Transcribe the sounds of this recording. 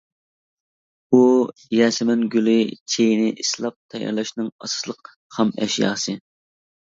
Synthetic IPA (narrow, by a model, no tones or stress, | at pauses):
ujɛːsɪmɛnɡʲylɪt͡ʃʰejnɪʔislˠɑp̚t̪ʰɛjɑ̰ɾlɛʃnɨŋɑsɨ̥slˠəq | hɑmɛ̰ʃjɑ̰ːsɨ